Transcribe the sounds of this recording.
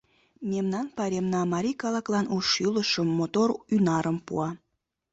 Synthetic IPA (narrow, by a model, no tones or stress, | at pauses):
memnɑnpɑɾʲemnɑmɑɾʲikɑlɑklɑnuʃyləʃəmːot̪orynɑɾəmpṵɑ